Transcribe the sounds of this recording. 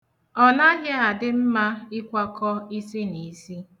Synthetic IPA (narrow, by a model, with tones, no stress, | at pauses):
ɔ˦na˦ɦa˦a˨dɪ˦m̩˦ma˦ɪ˦kʷa˦kɔ˦i˦si˦ni˨˦si˦